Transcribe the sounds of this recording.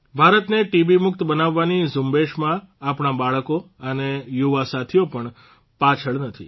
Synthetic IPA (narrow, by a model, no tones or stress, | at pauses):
bʱaɾət̪neʈibimʊk̚t̪bənaʋːanizʊmbeʃmã | apɳ̃abaɭkoənejuʋasat̪ʰijopəɳ | pat͡ʃʰəɭnət̪ʰḭ